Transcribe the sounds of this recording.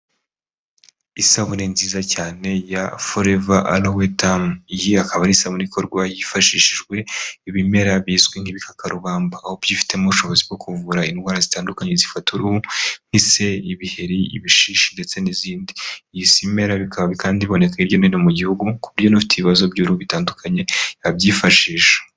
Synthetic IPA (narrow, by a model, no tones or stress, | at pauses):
isaβuninziːzacaːne̞jafoɾevaʔa̰lowetamijiakaβanisaβuniiko̞ɾɡwajifaʃiːʃiʒɡwe̞iβime̞ɾaβjiːzɡweŋ̥iβikakaɾuβaːmbaːho̞bjifi̥te̞moβuʃo̞βo̞zibɡo̞kuvuɾainɡwaːɾazitaːndukaɲe̞zifatuɾuhuŋ̥ise̞iβihe̞ɾiḭβiʃiːʃinde̞t͡se̞niziːndijisime̞ɾaβikʰaβaβikaːndiio̞ne̞kaiɾjo̞ninomuɟihuɡukuβiɾjo̞nufi̥teβiβazo̞bɟuːɾuhuβitaːndukʰaɲe̞abjiːfaʃiːʃḁ